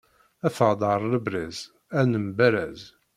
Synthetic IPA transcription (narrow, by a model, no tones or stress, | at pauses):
æθəʁd̪ˤɑɾˤləbɾiz | ænəmbæɾæz